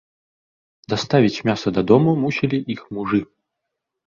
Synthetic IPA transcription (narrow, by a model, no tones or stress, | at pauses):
d̪ast̪avʲit͡sʲmʲasɐd̪ɐd̪ɔmumusʲilʲiʔixmuʐɨ